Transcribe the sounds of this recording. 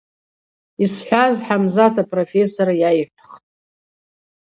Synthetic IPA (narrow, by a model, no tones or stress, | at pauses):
isħʷᶣazħamzatʰapʰʼrofe̞soɾajajpʷʰχtʼ